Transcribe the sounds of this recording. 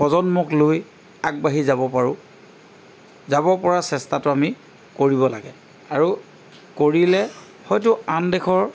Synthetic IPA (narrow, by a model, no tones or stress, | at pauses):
pɔzɔnmɔkloj | aɡ̚baɦizabɔpaɹʊ̃ | zabɔpɔɹasɛstatʊami | koɹibɔla̰ɡɛ | aɹu | koɹilɛ | hɔjtʊandɛxʰɔɹ